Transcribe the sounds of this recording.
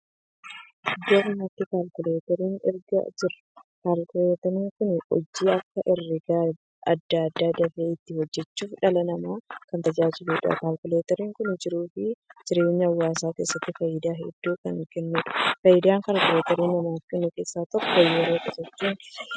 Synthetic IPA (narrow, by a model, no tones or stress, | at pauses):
d̪ɐɾnɐt̪ːɪkaːlkʊleːt̪ɛɾiːnɪ̰ɾɡɐ̰d͡ʒɪɾɐkaːlkʊleːt̪ɐniːŋkʊnɔ̰d͡ʒːiːɐkːɐʔɪrːɪɡaː | ɐd̪ːaɐd̪ːaːd̪ɐfeːɪt̪ːɪhɔd͡ʒːɛt͡ʃːuːfᶑɐlɐnɐmaːkɐnt̪ɐd͡ʒaːd͡ʒɪluːᶑɐ̰kaːlkʊleːt̪ɛɾiːŋkʊnd͡ʒɪɾuːfɪd͡ʒɪɾe̞ːɲːɐɐwːaːsaːke̞ːsːɐt̪ːɪfɐjɪd̪aːɦɛ̰d̪̥ːuːkɐŋkɛnːɛᶑ̪ʊ̥fɐjːɪd̪aːŋkaːlkʊleːt̪ɛɾiːnːɐmaːfkɛnːʊke̞ːsːaːt̪ɔkːɔjɛɾoːkeːsɐtːuːn